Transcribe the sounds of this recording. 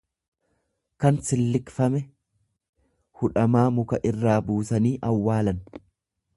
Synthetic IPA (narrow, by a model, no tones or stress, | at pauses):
kɐnsɪlːɪkfɐmɛ | hʊᶑɐmaːmʊkɐʔɪrːaːbuːsɐniːʔɐwːaːlɐn